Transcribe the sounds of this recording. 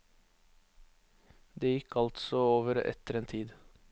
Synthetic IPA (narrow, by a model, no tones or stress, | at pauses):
d̪eːjɪkʰːɑlt̪sɔoːʋəɾɛ̰t̪əɾeːnt̪ʰiːd̪